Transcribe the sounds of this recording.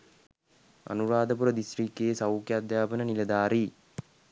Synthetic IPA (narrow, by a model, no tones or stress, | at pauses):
ɐ̰nuɾaːd̪ɐp̬uɾɐd̪isriːkːejsɐwkjad̪jaːbənənilɐd̪aːɾi